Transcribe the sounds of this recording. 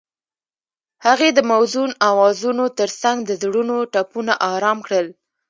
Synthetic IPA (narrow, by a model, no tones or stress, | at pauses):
haɣed̪əmawzunawɑzunot̪əɾsaŋɡd̪əzɽunoʈapunaʔɑɾɑmkɽəl